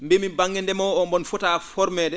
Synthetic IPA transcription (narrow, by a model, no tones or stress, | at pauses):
mbemibaŋːɛndɛmɔɔmbɔnfɔtaːfɔɾmɛːdɛ